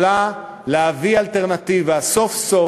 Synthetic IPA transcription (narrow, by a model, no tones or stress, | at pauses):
a | leavialt̪eʁnat̪ivaso̞fso